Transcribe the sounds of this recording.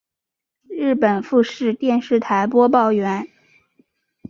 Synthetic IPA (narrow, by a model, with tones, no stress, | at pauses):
ɻɻ̩˥˩pə˨˩nfu˥˧ʂɻ̩˥˧t̪jɛ˥˧nʂɻ̩˥˩t̪ʰa˧˥ɪpwɔ˥p̬ɑ˥˩ʊɥɛ˧˥n